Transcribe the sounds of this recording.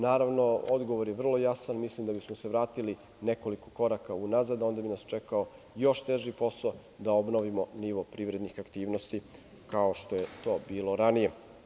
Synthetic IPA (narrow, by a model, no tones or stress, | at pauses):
naːɾaʋno̞od̪ɡo̞ʋoɾjeʋr̩lˠo̞jasanmislimd̪abismose̞ʋɾaːt̪ili | ne̞ko̞liko̞̥ko̞ɾakaunazad̪o̞nd̪abinast͡ʃekao | jo̞ʃt̪eʒipo̞so | d̪aobno̞ʋimo̞niʋopɾiːʋɾe̞d̪nixakt̪iːʋno̞st̪i | kao̞ʃt̪o̞je̞t̪o̞ːbiːlo̞ɾanije